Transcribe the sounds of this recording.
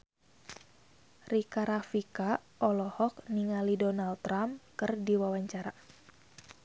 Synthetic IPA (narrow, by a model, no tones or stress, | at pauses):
rikaɾafikaʔɔlɔhɔk̚niŋalidɔnalt̪ɾamkɨrdiwawaɲt͡ʃaɾa